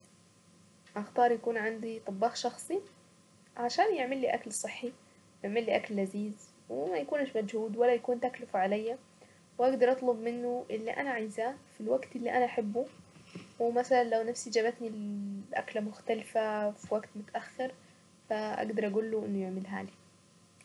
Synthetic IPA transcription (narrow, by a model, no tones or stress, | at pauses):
ʔaxt̪ɑːɾˤjakuːnʕand̪it̪ˤɑbːɑːxʃɑxsˤi | ʕaʃaːnjɪʕmɪlːiːʔaklsˤɨħːi | jɪʕmɪlːiːʔaklːaziːz | wɪmajakuːnaʃmad͡ʒhuːd̪walːajakuːnt̪aklɪfʕalajːa | wʔaɡd̪ɑɾˤʔɑt̪ˤlʊbmɪnːʊʔɪlːiʔa̰naʕajzaːfilwaɡt̪ɪlːiʔanaʔaħɪbːʊ | wɪmasalanlawnafsid͡ʒaːβat̪nilʔa̰klamʊxt̪alfafiwaɡt̪mʊt̪ʔaxːɑɾˤ | faʔa̰ɡd̪ɑɾˤʔaɡuːlːʊʔɪnːʊjɪʕmɪlɦa̰ːli